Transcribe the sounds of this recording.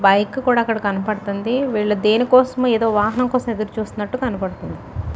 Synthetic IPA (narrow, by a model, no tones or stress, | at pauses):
bɐjkːkuːɽaːkːɐɽɐkɐnɐpɐɽut̪und̪iʋiːɭːɐd̪e̞ːnikɔːsɐmːeːd̪o̞ːʋaːɦɐnɐmŋkɔːsɐme̞d̪ɐɾut͡ʃuːst̪unːɐʈːukɐnɐpɐɽut̪und̪i